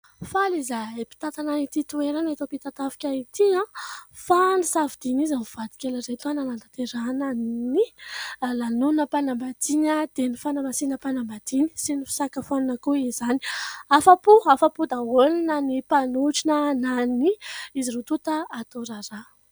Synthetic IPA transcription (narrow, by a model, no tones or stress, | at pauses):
falizapi̥t̪at̪anait̪it̪ueɾanet̪opit̪at̪avi̥kʲait̪iãfanisavid̪̥inizamiv̥ad̪i̥kʲelaret̪uananant̪at̪eɾanənilanunəpanambat̪iɲəd̪enifanəmasinəpanambad̪̥inisinifi̥sakafaninəkuizani̥afapuafapud̪aolinənipanuʈ͡ʂinənaniiziɾut̪ut̪əːt̪oɾaɾa